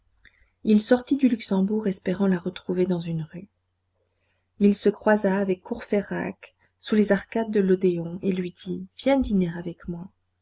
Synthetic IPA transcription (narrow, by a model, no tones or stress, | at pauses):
ilsɔʁt̪id̪ylyksɑ̃buʁɛspeʁɑ̃laʁət̪χuved̪ɑ̃zynʁy | ilsəkχwazaːvɛkːuʁfeʁa̰k | sulezaʁkad̪ːəlod̪eɔ̃elɥid̪ivjɛ̃d̪ineʁavɛkmwa